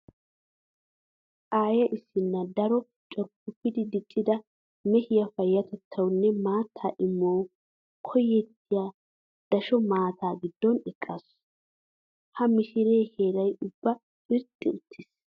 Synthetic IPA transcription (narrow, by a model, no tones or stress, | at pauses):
ʔaːjɐʔɪsːɪnːɐd̪ɐɾɔ | t͡ʃʼɔɾpːʊpːɪd̪ɪd̪ɪt͡ʃʼːɪd̪ɐ | mɛhɪjɐfɐjːɐt̪ɛt̪ʰːɐwnːɛmaːt̪ʰːa̰ːʔɪmːoː | kʰɔjːɛt̪ːɪjaː | d̪̥ɐʃɔmaːt̪ʰaːɡɪd̪ːɔnɛkʼːɐs | hɐmɪʃɪɾeːheːɾɐjʊbːɐ | pʼɪɾt̪ʼːɪʊt̪ʰːɪs